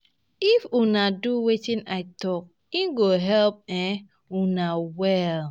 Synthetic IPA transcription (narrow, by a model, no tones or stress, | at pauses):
ifunaduwetĩnaɪtɔk̚ | inɡoɦɛlp̚ɛ | unawɛl